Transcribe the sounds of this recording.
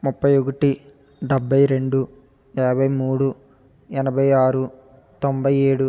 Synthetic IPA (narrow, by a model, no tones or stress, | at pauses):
mupːɐjokɐʈi | ɖɛbʱːɐjɾe̞ɳɖu | ɛːbʱɐjmuːɽu | ɛnɐbʱɐjaːɾu | t̪ombʱɐjeːɽu